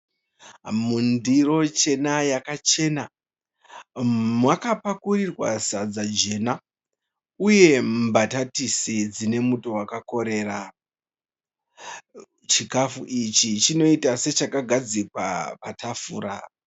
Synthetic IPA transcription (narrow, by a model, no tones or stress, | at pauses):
mundiro̞t͡ʃe̞najakat͡ʃe̞na | mwakapakurirwa̰sad͡zad͡ʒe̞na | uje̞mbatatisid͡zine̞muto̞wakako̞ɾe̞ra | t͡ʃikafuʔit͡ʃit͡ʃino̞itase̞t͡ʃakaɡʱad͡zikwa̰patʰafuːɾa